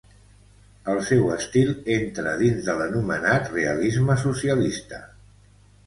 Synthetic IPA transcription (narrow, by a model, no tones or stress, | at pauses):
əlˠsɛwəst̪ilˠent̪ɾəðinzðələnumənat̪reəlizməs̬usiəlist̪ə